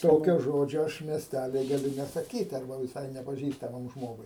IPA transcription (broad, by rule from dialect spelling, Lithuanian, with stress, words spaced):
ˈtoːkʲoː ˈʒoːd͡ʒʲoː ˈɐʃ mʲiɛsʲˈtʲælʲiː ɡɐˈlʲʊ nʲɛsɐˈkʲiːt ɐrˈbɐ ʋʲɪˈsɐɪ nʲɛpɐˈʒʲiːstɐmɐm ˈʒmoːɡʊɪ